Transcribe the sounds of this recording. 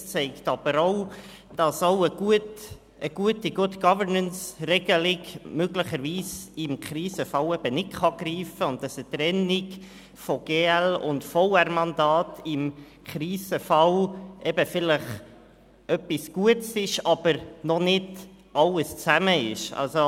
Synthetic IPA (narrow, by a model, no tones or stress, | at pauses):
t͡sɛɪktɑb̥əɾoʊ | d̥ɑsoʊəɡ̥uət | ʔəɡ̥uətiɡ̥ʊətɡ̥ɑvəɾnənsrɛɡəlɪɡmøɡləχəɾviːsɪmkɾiːsəfɑwɛb̥ənɪtχɑɡɾiːfəʊntdɑsət̪ɾɛnɪɡ | fɔɡ̥eːɛlʊ̰ndfɔʊæɾmɑndɑːtɪm | kɾiːzəfɑlʔɛb̥əfɪləχ | ʔœpisɡ̥uətsɪʃɑb̥əɾnɔnɪd | ʔɑləst͡sæməɪʃɑ̰lso